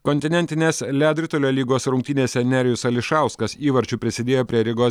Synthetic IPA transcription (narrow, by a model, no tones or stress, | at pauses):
kɔnʲt̪ʲɪnʲɛnʲt̪ʲɪnʲeːslʲæːd̪ʲɾʲɪt̪olʲoːlʲiːɡoːsɾʊŋʲk̚ʲt̪ʲɪnʲeːsʲɛnʲæːɾʲɪjʊsɐlʲɪʃɑˑʊskɐsiːʋɐɾʲt͡ʃʲʊpʲɾʲɪsʲɪd̪ʲeːjoːpʲɾʲiɛɾʲɪɡoː